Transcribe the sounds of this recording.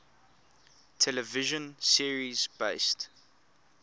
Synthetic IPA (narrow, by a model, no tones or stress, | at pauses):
tʰɛləvɪʒə̃nsiəɹizb̥eɪst